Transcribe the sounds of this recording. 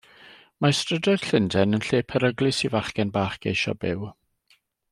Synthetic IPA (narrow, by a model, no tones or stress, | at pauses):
mastrədɔd̥ɬɪndɛnənɬeːpʰəɾəɡlˠɨsivaχɡɛnbaːχɡejʃɔ̰bɪw